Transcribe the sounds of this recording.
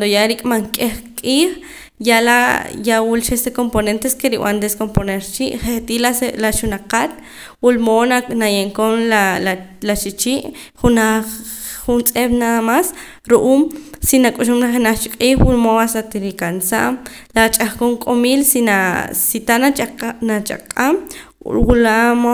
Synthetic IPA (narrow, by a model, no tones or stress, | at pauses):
ad̪ojaɾikʼmaŋkʼeχkʼiːχ | jalajawulʃest̪ekomponent̪eskeɾiw̰a̰nd̪eskomponeɾt͡ʃiʔχet̪ilalaʃunaqat̪ | wulmonanajeŋkonlalat͡ʃit͡ʃiːʔ | χuna | χunt͡sʼeɓnaðamas | ɾuʔuːmsinakʼuʃumɾaχenaχt͡ʃiqʼiːxwulmowasat̪iɾikansa̰ʔm | lat͡ʃʼaχkoŋkʼomiːlsinasit̪ananat͡ʃa̰qʼamwulamo